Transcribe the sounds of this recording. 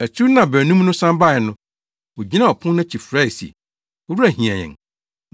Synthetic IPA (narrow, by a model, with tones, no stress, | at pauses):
æ˨tʰu˦nã˨bɛ˨nũ˦m˦nʊ̃˦sã˦mba˦˨jɛ˨nʊ̃˦ | wo˨d͡ʑi˦nã˦˨ɔ˨pʰʊ̃˦ã˦t͡ɕʰi˨fɾa˦i˨sḭ˨ | ɔ˦ɾu˦æ˨ɦĩ˨ã˨ɲɛ̰̃˨ŋ